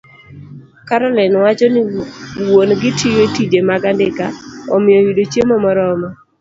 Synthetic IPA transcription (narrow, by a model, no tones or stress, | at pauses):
kaɾɔlɛnwat͡ʃɔnɪwonɡɪtʰijotid͡ʒemaɡandɪkaɔ̰mɪjɔjidot͡ʃjemɔmɔɾɔmɔ